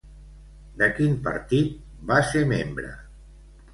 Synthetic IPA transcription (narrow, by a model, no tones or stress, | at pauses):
d̪əkimpə̰ɾt̪it̪̚ | basemembɾə̰